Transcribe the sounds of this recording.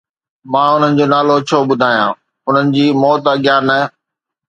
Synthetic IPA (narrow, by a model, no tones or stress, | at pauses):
mãːʊn̤ənɪ̆d͡ʑoːnaːlot͡ɕʰoːɓʊd̪ʱaːjãː | ʊn̤ənɪ̆d͡ʑiːmɔːt̪ɐɡɪjaːnɐ